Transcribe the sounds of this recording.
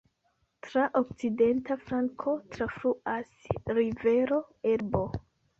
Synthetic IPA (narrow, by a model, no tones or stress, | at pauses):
tɾaʔok̚t͡side̞ntafɾaŋkʰo̞tɾafɾuasɾive̞ɾo̞e̞ɾbo